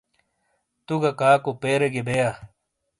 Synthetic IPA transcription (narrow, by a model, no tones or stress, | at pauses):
t̪uɡɐkaːkopeːɾeɡebeja